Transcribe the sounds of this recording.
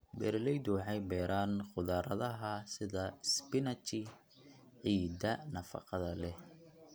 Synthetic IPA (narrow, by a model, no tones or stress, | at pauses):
bɛːɾlɛjd̪ʊwɑħɑjbɛːɾʔaːnqʊðaːɾɐðɐɦɐsɪðɐspɪnɐt͡ʃɪ | ʕiːd̪ɐnɐfɑ̰qɑðɐlɛ